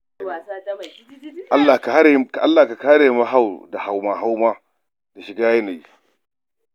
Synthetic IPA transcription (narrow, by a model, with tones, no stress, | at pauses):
ʔa˦lːa˨ka˨a˦˨ka˨ʔa˦lːaː˨ka˨ka˦˨ha˦ɾe˨ma˦ɦa˦˨wda˨ha˨wmaː˨ɦa˦wma˦ | da˨ʃɪ˨ɡaː˦ja˦na˨j